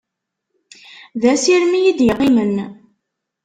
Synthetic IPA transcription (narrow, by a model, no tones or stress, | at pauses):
ðæsiɾmijid̪jəqːimən